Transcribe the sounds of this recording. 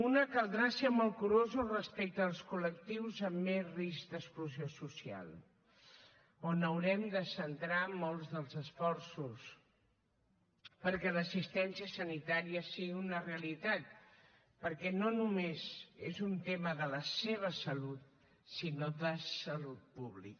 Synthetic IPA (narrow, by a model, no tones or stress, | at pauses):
unəkəlˠd̪ɾasemolˠkuɾozurəspɛk̚t̪əːlˠskulək̚t̪iwzəmːezrizd̪əkskluziosusia̰lˠ | onəwɾɛmd̪əsənt̪ɾamolˠzðəlˠzəsfɔɾsus | pəɾkɛləsist̪ɛnsiəsənit̪aɾiəsiɣiunəreəlit̪at̪̚ | pəɾkɛnonumezezunt̪eməðələseβ̞əsəlut̪̚ | sinoðəsəlut̪̚puβlḭk